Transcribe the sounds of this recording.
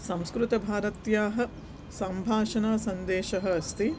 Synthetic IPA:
sɐ̃mskɾut̪ɐbʱaːɾɐt̪jaːɦɐ̆ | sɐmbʱaːʃɐnɐːsɐnd̪eːʃɐɦɐ̆ːst̪i

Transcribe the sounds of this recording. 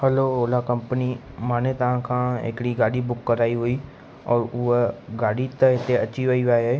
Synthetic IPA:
həloːoːlaːkəmpəniː | maːnẽːt̪əãːkʰãːɪ̰kɽiːɡaːɽiːbʊkːəɾaːiːɦoːiː | ɔːɾʊeɡaːɽiːt̪əɪt̪ʰːeəːʃʰiːʋaːiːʋaːjaː

